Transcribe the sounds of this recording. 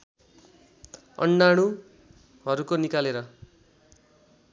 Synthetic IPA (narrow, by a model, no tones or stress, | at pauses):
ʌ̰ɳɖaɽ̃u | ɦʌɾukonikaleɾʌ